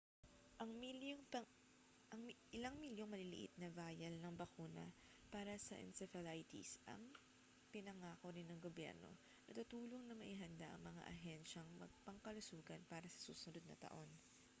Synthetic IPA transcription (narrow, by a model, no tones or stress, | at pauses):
ʔɐŋŋɐ | ʔɐŋʔɪlɐŋmiljoŋmɐlɪlɪ̰ʔɪ̰t̪̚nɐvaːjɐlnɐŋbɐkuːnɐ̰ | paːɾɐsɐ̰ʔɛ̰nsɛfɐlajt̪ḭsʔɐ̰ŋ | pɪnɐŋaːko̞ɾɪnːɐŋɡobjɛ̰ɾno̞̰ | nɐt̪ut̪uːlo̞ŋnɐmɐʔiɦɐnd̪aʔɐ̰ŋmɐŋa̰ʔɐɦɛnʃɐŋmɐ̰ɡ̚pɐŋkɐlʊsuːɡɐnpaːɾɐsɐ̥sṵːsʊnod̪̚nɐ̰t̪ɐ̰ʔo̞n